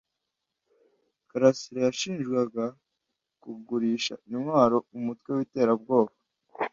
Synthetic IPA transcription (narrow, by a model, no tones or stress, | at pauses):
kaɾasiɾajaʃiːnʒɡwaɡa | kubɡuɾiːʃa̰imwaːɾo̞umutwe̞wite̞ːɾabɡo̞ːβa